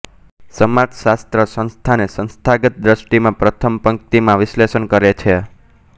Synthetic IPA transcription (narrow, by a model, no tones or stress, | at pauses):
səmat̪ʃast̪ɾəsə̃nst̪ʰanesə̃nst̪ʰaɡət̪̚d̪ɾəʃʈimãpɾət̪ʰəmpəŋkt̪imãʋɪslesənkəɾet͡ʃʰe